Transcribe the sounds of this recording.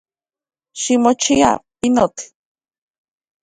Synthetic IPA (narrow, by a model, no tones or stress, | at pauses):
ʃimot͡ʃia̰pinot̪